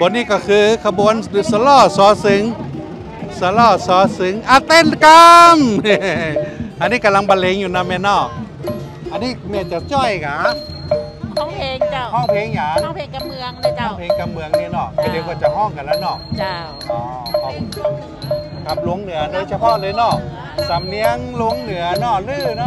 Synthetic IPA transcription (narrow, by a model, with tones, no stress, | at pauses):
bɔː˨˧˨niː˧˨kɔː˧˩kʰɯː˧kʰa˧bu˧˦əndɯ˧sa˧˦lɔː˧˩sɔː˨˦sɯ˨˦ŋ | sa˧lɔː˧˩sɔː˨˦sɯ˨˦ŋʔa˧˩t̪e˧˥˨nka˧m˧ | ʔa˧nːiː˧˥˨ka˨la˧ŋba˧le˨˧˦ŋjuː˨˩naː˧˩mɛː˧˨nɔː˧˥˩k̚ | ʔa˧nːiː˧˥˩mɛ˧˩t͡ɕa˨˧˩t͡ɕɔː˧˩jka˨˦˩ | hɔ˧˩˨ŋpʰeː˨˦ŋjaː˨˧˦ | ŋɔː˧˥˩pʰeː˨˦ŋka˧mmɯ˨˧˨əŋni˧˥˨nɔ˧˩k̪a˧˩de˨˧wkaː˧˩t͡ɕa˨˩hɔ˧˩˨ŋka˧˨laː˧˩nɔ˧˩˧ | ʔɔː˧˩kʰɔ˨˦ŋ | kʰa˧˦˩p̚lu˧˦əŋnɯ˨˦ɐna˧˦t͡ɕʰa˧pʰɔ˧˨tlɤː˧jnɔ˧˩ | sa˨˩˦mni˧˦əŋlu˧˦əŋnɯ˨˦ɐnɔː˧˩lɯː˧˩nɔ˧˥